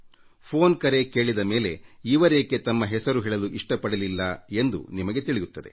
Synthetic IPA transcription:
pʰo̞ːnkɐɾe̞ke̞ːɭid̪ɐme̞ːle̞iːʋɐɾekːet̪ɐmːɐɦɛsɐɾuɦiːɭɐluʔiʂʈɐpɐɽɐlilːɐe̞nd̪ṵnimɐɡe̞t̪iɭijut̪ːɐd̪e̞̰

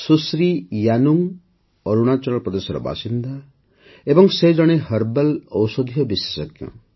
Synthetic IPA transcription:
susɾijanuŋ | ɔɾuɽ̃at͡ʃɔɾɔlpɾɔd̪esɔɾɔ̰ba̰sind̪a | ebɔŋsed͡ʒɔɽ̃eɦʌɾbelɔwsɔd̪ʱijɔbisesɔɡjɔ̰̃

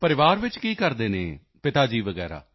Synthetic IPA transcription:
pəɾɪʋaːɾʋɪt͡ʃkiːkəɾd̪eːnḛː | pɪt̪aːd͡ʒiːʋəɡɛ̰ːɾa̰ː

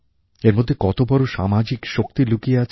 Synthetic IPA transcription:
eɾmod̪ʱːekɔt̪obɔɾoʃa̰mad͡ʑikʃok̚t̪ilukieat͡ɕʰ

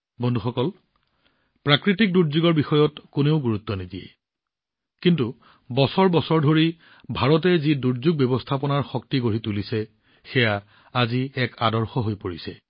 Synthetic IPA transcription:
bʱonduxɔkɔl | pɹakɹitik̚duɹzuɡɔɹbixɔjɔtkuneʊɡuɹut̪ːɔnidiɛ̰ | kintu | bɔsɔɹbɔsɔɹdʱoɹi | bʱaɹɔt̬ɛziduɹzuɡ̚bɛbɔstʰapɔnaɹxɔk̚tiɡoɹitulisɛ | xɛja | aziɛkadɔɹxɔɦojpoɹisɛ

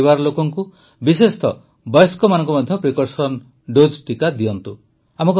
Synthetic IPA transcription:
iβaɾɔlokɔŋku | bisest̪ɔ | bɔjɔskɔmanɔŋkɔmɔd̪ʱjɔpɾikɔɾsɔn | ɖod͡ʒʈikad̪iɔnt̪u | amɔk

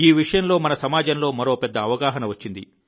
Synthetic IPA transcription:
iːʋiʂɐjɐmlo̞ːmɐnɐsɐmaːd͡ʒɐnlo̞ːmɐɾoːpɛd̪ːɐːʋɐɡaːɦɐnɐʋɐt͡ʃːind̪ḭ

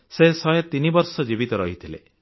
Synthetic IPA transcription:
sesɔjɔt̪inibɔɾsɔd͡ʒibit̪ɔɾɔɦit̪ʰilḛ

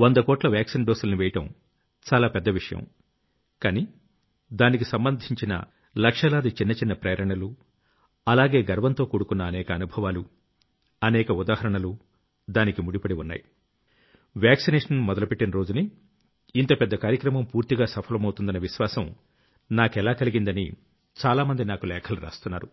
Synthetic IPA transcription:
ʋond̪ɐkɔːʈlɐʋjaːksinɖoːsulɐniʋɛjɐʈɐm | t͡ʃaːlaːpɛd̪ːɐʋiʂɐjɐ̰m | kaːniː | d̪aːnikisɐmbɐnd̪ʱiɲt͡ʃinɐ̰ | lɐkʂɐlaːd̪it͡ʃinːɐt͡ʃinːɐpɾɐːɾɐɳɐlu | ɐlaːɡe̞ːɡɐɾʋɐnt̪o̞ːkuːɽukunːɐːnɛːkɐːnubʱɐʋaːlu | ɐnɛːkɐud̪aːhɐɾɐɳɐlu | d̪aːnikimuɽipɐɽiunːa̰ːji | ʋjaːksinɛːʂɐnmɔd̪ɐlupeʈːinɐɾo̞ːd͡ʒuniː | nt̪ɐpɛd̪ːɐkaːɾjɐkɾɐmɐmpuːɾt̪iɡaːsɐpʰɐlɐmɐwt̪und̪ɐnɐʋiʃʋaːsɐm | naːkɛlaːkɐliɡind̪ɐnḭ | t͡ʃaːlaːmɐnd̪inaːkulɛːkʰɐluɾa̰ːst̪unːaːɾu

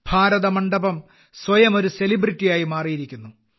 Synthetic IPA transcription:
bʱaːɾɐðɐmɐɳɖɐbɐm | swɐjɐmo̞ɾuse̞libritːijaːjimaːrijiɾikʲːunːu

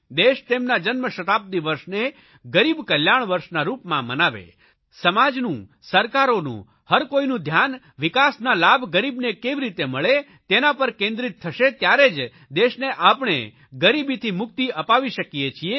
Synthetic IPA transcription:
d̪eʃt̪emnad͡ʒənməʃət̪ap̚d̪iʋəɾʃne | ɡəɾibkəljaɳ̃ʋəɾʃnaɾupmãmənaʋḛ | səmad͡ʒnũ | səɾkaɾonṵ̃ | həɾkoinũd̪ʱjan | ʋikasnalabɡəɾibnekeʋiɾit̪eməɭe | t̪enapəɾkẽnd̪ɾit̪ʰːəʃet̪jaɾed͡ʒ | d̪eʃneʔapɳ̃ḛ | ɡəɾibit̪ʰimʊk̚t̪iʔəpaʋiʃəkijet͡ʃʰie

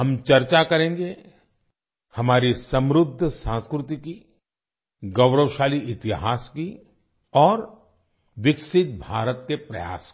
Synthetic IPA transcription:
ɐmt͡ʃɐɾt͡ʃakɐɾẽːŋɡe | hɐmaːɾisɐ̃mɾʊd̪ʱːsãːnskɾʊt̪iki | ɡɐʊɾəwʃaːliɪt̪ɪɦaːski | ɔːɾ | ʋɪksɪt̪̚bʱaːɾət̪kepɾɐja̰ːskː

